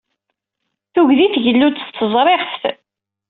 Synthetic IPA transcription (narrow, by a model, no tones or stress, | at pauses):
θuʝðiθʝəlːut̪t̪ːəzˤɾˤeʁθθ